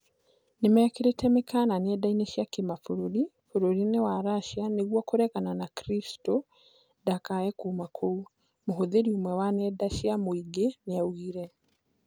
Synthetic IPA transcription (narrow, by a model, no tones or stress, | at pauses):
nemɛakeɾetʰɛmekʰananɛdaineʃjakemafoɾoɾi | foɾoɾinewaɾaʃianeɣwɔkoɾɛkananakɾisto | dakaɛkumakʰou | moɦoðeɾiomwɛwanɛdaʃjamoiɡeneauɣiɾɛ